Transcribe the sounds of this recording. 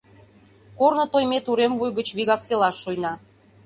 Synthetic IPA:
kornŏt̪ojmet̪uɾemvujɣə̆t͡ɕβiɣɑkselɑʃːujnɑ

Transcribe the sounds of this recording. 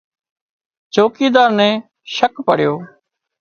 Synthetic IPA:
t͡ʃoːkiːd̪aːɾnɛ̃ː | ʃəkpəɽ̤ɪjoː

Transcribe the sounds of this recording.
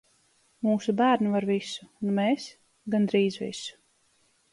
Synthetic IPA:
muːsubæːɾnivaɾvisu̥ːnmeːs | ɡand̪ɾiːzvḭsu̥

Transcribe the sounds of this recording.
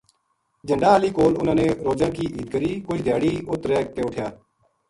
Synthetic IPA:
d͡ʒə̃ɳɖaːaːliːkoːlʊnãːnẽːɾoːd͡ʒãːkiːʔiːd̪kəɾiːkʊt͡ʃʰd̪ʱjaːɽiːʊt̪ɾɛːk̚t̪eːʊʈʰjaː

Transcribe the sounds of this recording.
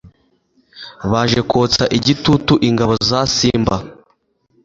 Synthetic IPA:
βaʒe̞kot͡saʔiɟitutuʔiŋɡaβo̞zasiːmba

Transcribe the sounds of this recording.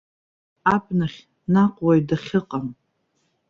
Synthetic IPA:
apnaχʲ | naqʷʼwajdaχʲɪqʼam

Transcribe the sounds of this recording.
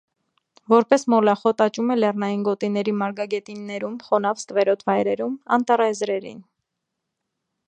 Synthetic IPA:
vɔɾpɛsmɔlɑχɔt̪ɑt͡ʃumɛlɛrnɑjinɡɔt̪inɛɾimɑɾɡɑɡɛt̪inːɛɾumχɔnɑfst̪vɛɾɔt̪ʰvɑjɾɛɾumɑ̰nt̪ɑrɑɛzɾɛɾḭn

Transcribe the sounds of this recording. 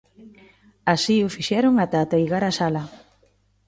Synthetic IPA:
asiʊfiʃɛɾʊŋat̪at̪ejɣaɾasalɐ

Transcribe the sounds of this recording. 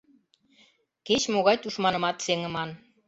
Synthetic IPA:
ket͡ɕmoɣɑjt̪uʃmɑnɤ̆mɑt̪seŋɘ̆mɑn

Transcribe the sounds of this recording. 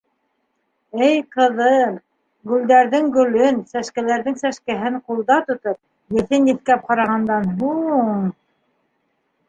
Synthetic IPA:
ɘjqɤ̆ðɤ | ɡɵ̆ld̪æɾðɘŋɡɵ̆lɵnsæʃkælæɾðɘŋsæʃkæɦɘɴqulˠd̪ɑt̪ŏt̪ɤp̚ | jɘ̆θɘnjɘ̆θkæp̚qɑɾɑʁɑnd̪ɑnɦuɴ

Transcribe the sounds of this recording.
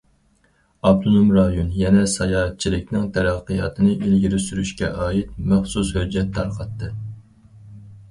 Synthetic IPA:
ɑb̚t̪ʰonomɾɑjonjɛnɛsɑjɑːt̪̚t͡ʃʰilɪk̚ʲnɪŋt̪ʰɛɾæqːəjɑːt̪ʰɨnɨʔilɡʲiɾɪsyɾyʃkʲɛ̰ʔɑːit̪̚mæχsushød͡ʒːɛt̪ʰːɑɾqɑt̪ːɨ

